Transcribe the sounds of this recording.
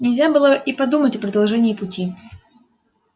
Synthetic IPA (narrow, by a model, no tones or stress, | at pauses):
nʲɪlʲzʲabɨlˠəʔipɐd̪umətʲɐpɾəd̪ɐlˠʐɛnʲɪːpʊtʲi